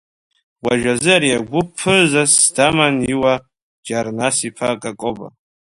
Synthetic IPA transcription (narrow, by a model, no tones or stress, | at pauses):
waʒazɨaɾiaɡʷʊpʰːɨzasdamaniwa | d͡ʒarnasipʰakʼakʼoba̰